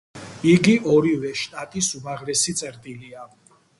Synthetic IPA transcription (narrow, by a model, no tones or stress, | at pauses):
iɡiʔɔɾivɛʃt̪ʼat̪ʼisumaʁɾɛsit̪sʼɛɾd̪ʼilia